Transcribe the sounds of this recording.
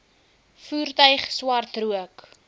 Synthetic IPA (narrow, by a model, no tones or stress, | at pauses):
fuːrtœɥχswɐrtruək